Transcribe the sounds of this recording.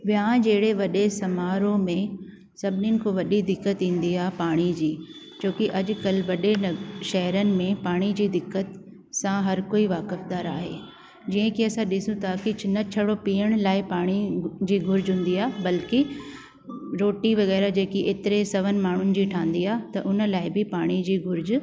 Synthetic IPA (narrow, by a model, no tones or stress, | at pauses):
ʋɪãd͡ʑeːɪɽeʋɐɗesɐmaːɾomẽ | sɐbʱɪnɪnɪ̆kʰoːʋɐɗid̪ɪkːət̪ĩːn̆d̪iaːɦpaːɽ̃id͡ʑiː | t͡ɕoːkiʔɐʄʊkɐlʋɐɗenɐʃɐɦəɾənɪ̆mẽpaːɽ̃id͡ʑiːd̪ɪkːət̪ | sãɦɐɾkoːiʋaːkɪfd̪aːɾaːɦḛː | d͡ʑiːə̃kiɐsãɗɪsũt̪ʰakɪnɐt͡ɕʰɐɽopiːəɽ̃laːɪpaːɽ̃id͡ʑiːɡʊɾd͡ʑɦũːn̆d̪iaːɦbɐlki | ɾoːʈiʋɐɣɛːɾad͡ʑeːkiʔeːt̪ɪɾesɐʋənɪ̆maːɳ̤ʊnɪ̆d͡ʑiːʈʰãːnd̪iaːɦt̪ɐʔʊnə̆laːɪbɪpaːɽ̃id͡ʑiːɡʊɾd͡ʑʊ